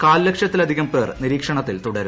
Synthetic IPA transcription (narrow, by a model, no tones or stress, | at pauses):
kaːllɐkʂjɐt̪ːilɐd̪ʱiɣɐmpeːrniɾiːkʂɐɳɐt̪ːilt̪uɽɐɾu